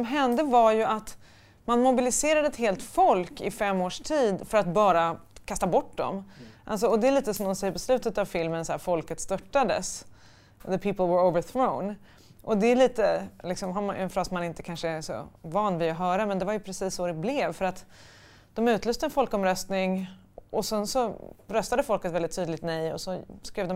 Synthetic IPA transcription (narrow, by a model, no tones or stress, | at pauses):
sɔmɦɛnd̪əvajɵʔat̪ | manmʊbɪlɪseːɾad̪əɛt̪ɦeːlt̪fɔlkɪfɛmːoːʂʈʰiːd̪fœɾat̪bɑːɾakʰast̪abɔʈːd̪ɔ̰mʔa̰ls̬ɔɔd̪ɛɛliːt̪əsɔmd̪ɔmsɛjːəɾpʰɔslʉ̟ːt̪ət̪avfɪlmənsæːɾfɔlkət̪st̪œʈːad̪ə̰s | ðəpʰiːpəlˠwəɹoʊvəɹθɹõʊ̃n | ʔɔd̪ɛɛliːt̪əlɪksɔmɦamɛ̰nfɾɑːsmanɪnt̪ə̥kʰanʂəɛsɔ̰vɑːnvɪɔɦœːɾamɛnd̪ɛvaɾjɵpʰɾɛsiːsːɔɾɛblɛvfœɾat̪ | d̪̥ɔmʉ̟ːt̪lʉːst̪əɛnfɔlkɔmɾœst̪nɪŋ | ʔɔsɛnsɔɾœst̪ad̪əfɔlkət̪vɛlɪt̪ʰːyːd̪lɪɡ̚t̪nɛjɔ̰sɔskɾeːvd̪ɔ